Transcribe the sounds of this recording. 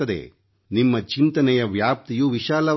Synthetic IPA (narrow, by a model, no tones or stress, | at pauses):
ɐd̪ḛ | nimːɐt͡ʃint̪ɐnɛjɐʋjaːp̚t̪ijuʋiʃaːlɐ